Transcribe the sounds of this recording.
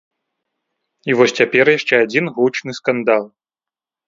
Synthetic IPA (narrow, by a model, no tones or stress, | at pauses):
ivɔsʲt͡sʲapʲɛrjaʂt͡ʂɛad͡zʲinɣut͡ʂnɨskand̪alˠ